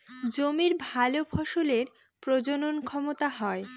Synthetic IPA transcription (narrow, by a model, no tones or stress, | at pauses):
d͡ʑomiɾbʱalofʰoʃoleɾ | pɾod͡ʑononkʰɔmot̪aɦɔe